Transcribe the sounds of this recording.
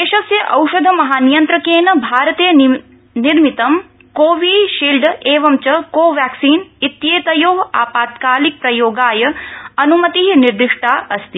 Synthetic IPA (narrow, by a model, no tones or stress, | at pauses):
eːʃɐsjɐʔɐwʃɐd̪ʱɐmɐɦaːnijɐnt̪ɾɐkeːnɐbʱaːɾɐt̪eː | niɾmit̪ɐm | koːʋiɖʃiːlɖeːʋɐmt͡ʃɐkoːʋjaːksiːnit̪jeːt̪ɐjoːɦaːpaːt̪kaːlik̚pɾɐjoːɡaːjɐɐnumɐt̪iɦiniɾd̪ɾiʂʈʰaːʔɐst̪i